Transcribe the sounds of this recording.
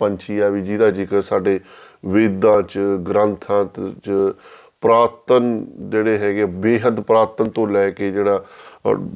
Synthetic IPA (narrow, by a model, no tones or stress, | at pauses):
pəɲt͡ʃʰiːaːʋiːd͡ʒiːd̪aːd͡ʒiːkəɾsaːɖeː | ʋeːd̪ãːt͡ʃɡɾənt̪ʰãːt͡ʃə | pɾaːt̪ənd͡ʒeːɽeːɦɛːɡeeːbeːɦət̪pɾaːt̪ənt̪õːlɛːkeːd͡ʒeːɽaː